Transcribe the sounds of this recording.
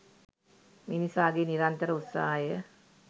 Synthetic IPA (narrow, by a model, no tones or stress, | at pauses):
minisaːɡeːniɾant̪əɾəut̪sa̰ɦajə